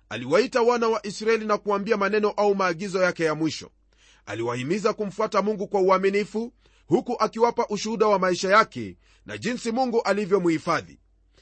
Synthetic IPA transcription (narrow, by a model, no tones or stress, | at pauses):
a̰liwaitawanawaʔisɾaɛlinakuwambiamanɛnɔʔaumaːɠizɔjakɛjamwiʃɔ̰ | a̰liwahimizakum̩fuatamuŋɡukwauaminifu | hukuʔakiwapaʔuʃuhuɗawamaiʃajakɛ̰ | na̰ʄinsimuŋɡuʔalivjɔmuhifaðḭ